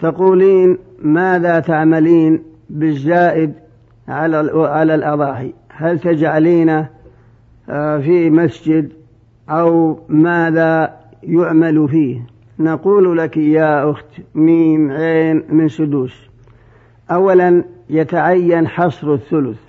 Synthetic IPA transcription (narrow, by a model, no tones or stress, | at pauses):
t̪aquːliːn | maːðat̪aʕmaliːn | bɪzːaːʔɪd̪ | ʕalaʕalalʔɑðˤɑːħihalt̪ad͡ʒʕaliːna | fimasd͡ʒɪd̪ | ʔawmaːða | jʊʕmalufiːh | naquːllakjaːʔʊxt̪miːmʕeːnmɪnsʊd̪uːs | ʔawːalanjat̪aʕajːanħɑsˤɾɪθːʊlʊθ